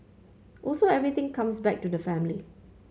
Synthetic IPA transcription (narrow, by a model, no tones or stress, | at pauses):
ʔɔlsoɛvɹit̪ɪ̃ŋkʰãmsbɛk̚tudəfæ̃mli